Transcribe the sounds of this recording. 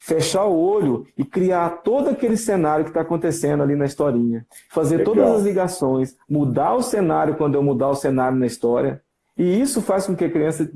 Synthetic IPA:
feʃaʊoʎʊɪkɾiat̪od̪ʊakelɪsenaɾjʊkɪ̥t̪aːkõnt̪esẽnd̪ʊalinɐist̪ɔɾĩɲɐ | fazeɾt̪od̪ɐzɐzliɡasõj̃s | mud̪aʊsenaɾjʊkwɐ̃nd̪ʊewmud̪aʊsenaɾjʊnɐist̪ɔɾiɐ | ɪisʊfaskõkɪɐkɾiɐ̃sɐ

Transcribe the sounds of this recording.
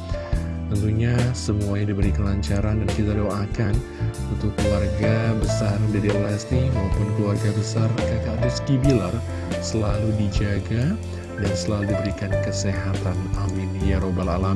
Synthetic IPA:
t̪ənt̪uɲasəmuaɲadibəɾikəlaɲt͡ʃaɾandankit̪adowakan | unt̪ʊkːluwarɡabəsardaɾilɛst̪imaupʊnkluarɡabəsarkak̪ad̪uskibilar | səlaludid͡ʒaɡa | dansəlaludibəɾikankəseɦat̪anamɪnjaɾobalala

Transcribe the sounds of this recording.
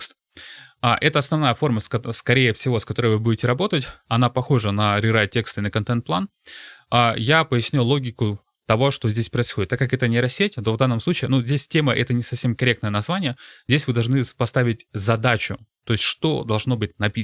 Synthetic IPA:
st̪ | aʔɛt̪əɐsnɐvnajəfo̞rməsskɐɾʲejəfsʲɪvo̞skɐt̪o̞ɾɨjvɨbudʲɪtʲɪɾɐbo̞t̪ətʲɐnapɐxo̞ʐənɐɾʲɪɾajtʲːekst̪ɨɪnəkɐnt̪ɛnt̪̚plˠan | ajapəɪsʲnʲajlˠo̞ɡʲɪkʊ | t̪ɐvo̞ʂt̪ozʲdʲesʲpɾəɪsxodʲɪt̪ːakːɐkɛt̪ənʲɪɾɐsʲːetʲt̪o̞vd̪anːəmslˠut͡ɕɪːnuzʲdʲesʲtʲe̞məʔɛt̪ənʲɪsɐfsʲe̞mkɐɾʲe̞k̚t̪nəjənɐzvanʲɪjəzʲdʲesʲvɨd̪ɐlˠʐnɨpɐst̪avʲɪtʲzɐd̪at͡ɕʊ̰t̪o̞ɪsʲtʲʂt̪o̞d̪ɐlˠʐno̞bɨtʲnɐpʲi

